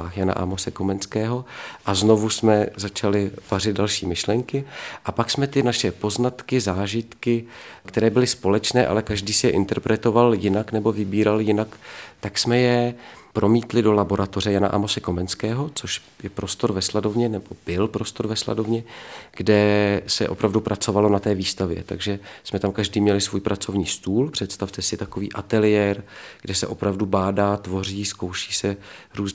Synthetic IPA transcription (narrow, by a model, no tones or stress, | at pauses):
aːxjana̰ʔa̰mosɛkomɛnskɛːɦo̞ʔazno̞vusmɛzat͡ʃalɪv̥arɪd̪̚dalʃiːmɪʃlɛŋkɪʔapaksmɛt̪ɪnaʃɛpo̞znat̪kɪzaːʒɪt̪kɪkt̪ɛɾɛːbɪlɪspo̞lɛt͡ʃnɛːʔa̰lɛkaʒdiːsɪjɛʔɪnt̪ɛɾpɾʔɛt̪o̞valjɪnaknɛbo̞vɪbiːɾaljɪnakt̪aksmɛjɛpɾʔo̞miːt̪lɪdo̞labo̞ɾʔat̪or̝ɛjana̰ʔa̰mosɛko̞mɛnskɛːɦo̞t͡soʃ | jɛpɾo̞st̪o̞ɾvɛslado̞vɲɛnɛbo̞b̥ɪlpɾo̞st̪o̞ɾvɛsla̰do̞vɲɛɡ̥dɛsɛ̰ʔo̞pɾavdupɾʔat͡so̞valo̞nat̪ɛːviːst̪avjɛ̰t̪aɡʒɛsmɛt̪amkaʒdiːmɲɛlɪsvuːjpɾat͡so̞vɲiːst̪uːlpr̝̥ɛt̪st̪aft̪ɛsɪt̪akovḭːʔat̪ɛlɪjɛːɾɡ̥dɛsɛʔo̞pɾavdubaːdaːt̪vo̞riːskowʃi̥ːsɛɾuːz